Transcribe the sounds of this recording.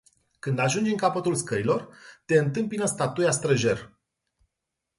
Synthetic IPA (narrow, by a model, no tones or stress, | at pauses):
kɨnd̪aʒund͡ʒɨŋkapət̪ulskəɾilo̞rt̪e̞ɨnt̪ɨmpinəst̪at̪ujast̪ɾəʒe̞r